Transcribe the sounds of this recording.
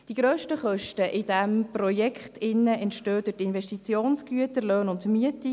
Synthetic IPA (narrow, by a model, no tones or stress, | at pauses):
d̥iɡ̥ɾœːʃtəχœʃtəʔɪd̥ɛmprɔjɛkχtʰɪnːəɛntʃtøːd̥̪ətɪnvɛʃtit͡sjoːnsɡ̥yətəɾløːnʊndmyəti